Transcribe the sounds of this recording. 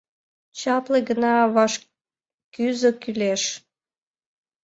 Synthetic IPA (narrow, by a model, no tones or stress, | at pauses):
t͡ɕɑpleɡənɑβɑʃ | kyzəkyleʃ